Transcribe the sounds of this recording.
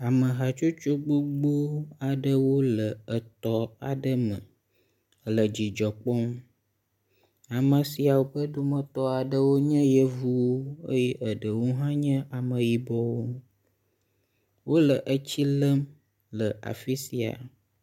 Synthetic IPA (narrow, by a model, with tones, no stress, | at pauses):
a˨mə̃˨ɦa˨t͡ʃo˦t͡ʃu˦ɡ͡bu˦ɡ͡bu˦a˨ɖə˦wo˦lə˨ə˨t̪ɔ˦a̰˨ɖə˦mə̰̃˨ | lə˨d͡ʑi˨d͡ʒɔ˨k͡pɔ˦m | a˨mə̃˨si˨˦a˨wo˦ɸə˦ɖu˦mə̃˦t̪ɔ˦a˨ɖə˦wo˦ɲə̃˦jɛ˦vu˦wo˦ə̰˦jɛ˦ʔə˨ɖə˨wo˦ɦã˦ɲə̃˦ʔa˨mə̃˨ji˨bɔ˦wo˦ | wo˦lə˨ʔə˦t͡ɕi˦lə˦m | lə˨ʔa̰˨fi˦si˨a̰˨